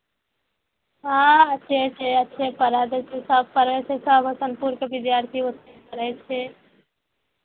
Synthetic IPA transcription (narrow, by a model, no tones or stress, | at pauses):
ɦãətːʃʰet͡ʃʰeətːʃʰepəɾəd̪ɛt͡ʃʰesəb̚ʱpəɾɛt͡ʃʰesəbʱsənpuɾkebid̪jaɾt̪ʰiot̪nekəɾət͡ʃʰe